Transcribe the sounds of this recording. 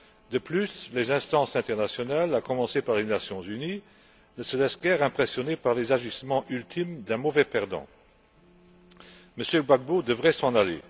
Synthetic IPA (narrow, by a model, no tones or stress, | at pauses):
d̪əplyslezɛ̃st̪ɑ̃sɛ̃t̪ɛʁnasjɔnalakɔmɑ̃sepaʁlenasjɔ̃zyni | nəsəlɛsɡɛʁɛ̃pχesjɔnepaʁlezaʒismɑ̃ʔylt̪ʰimd̪ɛ̃mɔvɛpɛʁd̪ɑ̰̃ | məsjøbaɡ̚bod̪əvʁɛsɑ̃nalḛ